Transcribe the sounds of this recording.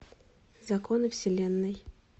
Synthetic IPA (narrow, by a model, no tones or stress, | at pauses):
zɐkonɨfsʲɪlʲenːɨj